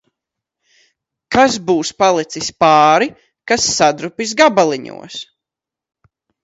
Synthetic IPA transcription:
kazbuːspalˠit̪sispaːɾi | kasːad̪ɾupis̬ɡabalˠiɲṵɔs

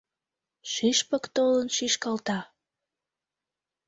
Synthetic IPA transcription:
ʃiʃpəkt̪olənʃiʃkɑlt̪ɑ

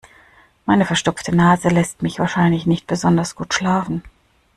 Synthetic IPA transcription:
maɪnəfɛɐʃtʊp͡ftʰənaːzəlɛstmɪçv̥aːɐʃaɪnlɪçnɪçt̚b̥əzɔndɐsɡ̥uːtʃlaːfn̩

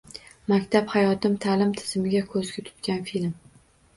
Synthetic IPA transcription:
makʲt̪ʰaphajɒt̪ɪmt̪ʰalɪmt̪ʰɪ̥z̥mɪɡʲakʰɵzɡʲat̪ʰʊ̥t̪kʲanfilm

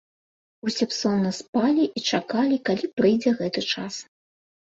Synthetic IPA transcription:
usʲɛpsɔnːɐspalʲiʔit͡ʂakalʲikalʲipɾɨjd͡zʲɛɣɛt̪ɨt͡ʂas

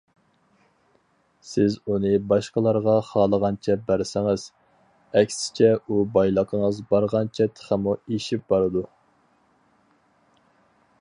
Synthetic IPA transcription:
sɪzunɨbɑʃqəlˠɑɾʁɑχɑːlˠəʁɑnt͡ʃʰɛbæɾsɪŋɪz̥ | ɛkʲsɪ̥t͡ʃʰɛubɑjlˠəqʰəŋəzbɑɾʁɑnt͡ʃʰɛt̪ʰə̥χæmueʃip̚bɑɾɨd̪u

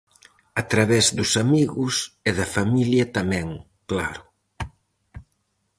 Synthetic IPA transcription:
at̪ɾaβɛzðʊsamiɣʊseðɐfamiljɐt̪amɛ̃ŋ | kla̰ɾʊ

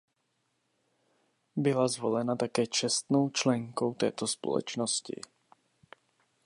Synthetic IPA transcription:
bɪlazvo̞lɛnat̪akɛːt͡ʃɛst̪no̞wt͡ʃlɛŋkowt̪ɛ̰ːt̪o̞spo̰lɛ̰t͡ʃnoscɪ̰

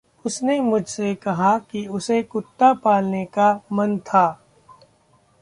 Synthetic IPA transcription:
ʊsnemʊd͡ʒʱsekɐɦakiʊsekʊt̪ːapaːlnekamɐnt̪ʰaː

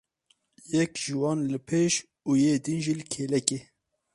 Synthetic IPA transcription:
jɛkʒ̥iwɑːnlɨpʰeːʃ | uːjeːd̪inʒiːlɨkʰeːlɛkeː

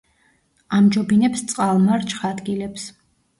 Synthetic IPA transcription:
amd͡ʒɔbinɛpst̪sʼqʼalˠmaɾt͡ʃʰχad̪ɡilɛps

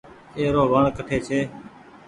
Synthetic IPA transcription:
eːɾoːbaːɳkəʈʰeːt͡ʃʰeː

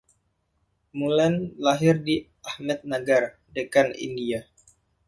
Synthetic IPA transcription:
mulɛnlaɦɪrdi | ahmɛt̪̚naɡar | dəkanḭndia

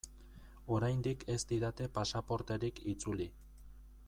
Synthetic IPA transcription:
o̞ɾajnd̪ikʰe̞st̪iðat̪e̞pasapo̞ɾt̪e̞ɾikʰit͡suli

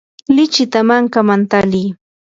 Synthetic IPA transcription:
lɪt͡ʃɪt̪amaŋkamant̪aliː

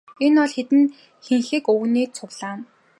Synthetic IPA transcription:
enɔɮxet̪ɘ̆n | xeŋxɘ̆kɵwniːt͡sʰʊwɮaːn

